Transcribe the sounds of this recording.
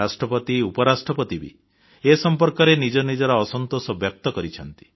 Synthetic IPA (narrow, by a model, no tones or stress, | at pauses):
asʈɾɔpɔt̪iupɔɾasʈɾɔpɔt̪ibḭ | esɔmpɔɾkɔɾenid͡ʒɔnid͡ʒɔɾɔːsɔnt̪osɔbjɔk̚t̪ɔkɔɾit͡ʃʰɔnt̪i̥